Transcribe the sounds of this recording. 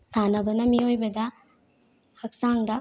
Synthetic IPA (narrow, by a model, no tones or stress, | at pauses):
sanɐbɐnɐmiojbɐdɐ | hɐk̚saŋdɐ